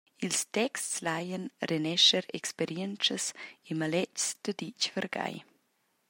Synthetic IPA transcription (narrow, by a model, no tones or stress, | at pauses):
ilstɛkstslajənrenɛʃəɾɛ̰kspeɾjɛnt͡səsemalɛt͡ʃsd̪̥əd̪it͡ʃvəɾɡa̰j